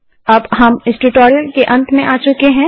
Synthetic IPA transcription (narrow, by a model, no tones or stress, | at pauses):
ɐbɦɐmɪsʈuʈoːɾijəlkeʔɐ̃nt̪mẽʔaːt͡ʃʊkeɦɛ̃